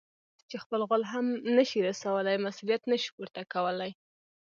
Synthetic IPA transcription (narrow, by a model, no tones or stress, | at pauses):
t͡ʃexpəlɣʊlɦamnəʃiɾasawəlajmasulijat̪nəʃi̥puɾt̪akawəlaj